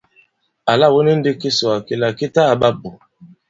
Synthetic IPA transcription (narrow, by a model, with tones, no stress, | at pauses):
a˨la˦˨wo˦ni˦n̩˦de˦ke˦so˨a˨ke˨la˨ke˦ta˦a˨ɓa˦bo˨